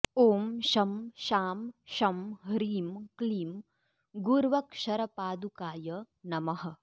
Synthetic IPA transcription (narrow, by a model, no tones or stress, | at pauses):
oːmʃɐmʃaːmʃɐmɦɾiːmkliːm | ɡuɾʋɐkʂɐɾɐpaːd̪ukaːjɐ | nɐmɐɦɐ̆